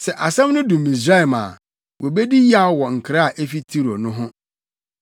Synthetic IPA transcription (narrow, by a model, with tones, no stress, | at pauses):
sɛ˨ʔa˨sɛ̃˦mnʊ̃˦dũ˨mi˨s̬ɾa˦˨ma̰ː˨ | wʔɔ˨be˦di˦ji˦a˦wɔ˨ŋ̩˨kʰɾa˦a˨ʔe˦fi˦tʰi˦ɾo˨nʊ̃˦ɦʊ̃˦